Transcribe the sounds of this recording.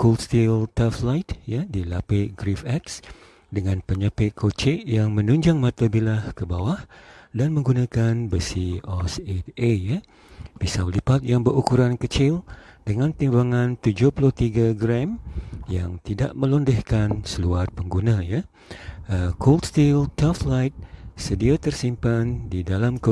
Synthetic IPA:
kolst̪ilt̪aflajt̪̚jadilapɪʔɡɾifɛks | dəŋãnpəɲəpɪʔkʰot͡ʃɪʔjaŋmə̃nuɲd͡ʒaŋmãt̪abilahkəbawahdanmə̃ŋɡunãkanbəsiɔset̪eja | pisawlipat̪̚jaŋbəɾukuɾankət͡ʃɪldəŋãnt̪imbaŋãnt̪ud͡ʒʊhpulʊht̪iɡaɡɾɛmjaŋt̪ida̰ʔmə̃lɔndəhkansəluarpəŋɡunãja | əkʰolt̪st̪ilt̪aflajt̪̚sədiat̪ərsimpandidalamk

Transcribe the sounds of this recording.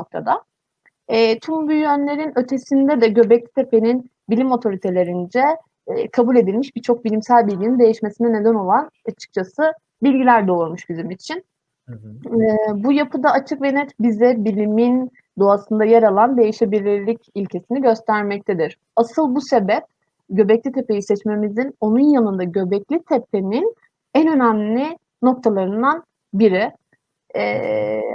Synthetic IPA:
nok̚t̪ʰa̰d̪a | ɛːt̪ʰumbyjønlʲe̞ɾinø̞t̪ʰe̞sind̪ɛd̪ɛɟø̞bɛclʲit̪ʰe̞pʰe̞nin | bilʲimo̞t̪ʰo̞ɾit̪ʰe̞lʲe̞ɾind͡ʒɛ | kʰabulʲe̞d̪ilʲmiʃbit͡ʃʰo̞k̚bilʲimsælʲbilʲɟinind̪e̞jiʃme̞sinɛne̞d̪æno̞lˠanat͡ʃʰɯ̥k̚t͡ʃʰasɯ | bilʲɟilʲæɾd̪oɾmuʃɟyzymit͡ʃʰin | bujapʰɯd̪aːt͡ʃʰɯkve̞niɾbizɛbilʲimin | d̪o̞asɯnd̪ajaɾalˠand̪e̞jiʃebilʲːiɾlʲicilʲcʰe̞siniɟø̞st̪ʰæɾmɛc̚t̪ʰed̪iɾ̥ | asɯlˠbuse̞bɛp̚ | ɟø̞bɛclʲit̪ʰepejiʃlʲɛt͡ʃme̞mizino̞nunjanɯnd̪aɟø̞bɛclʲit̪ʰep̚ʰe̞nin | ænø̞næmlʲɪ | no̞k̚t̪ʰalˠaɾɯnd̪an | biɾi

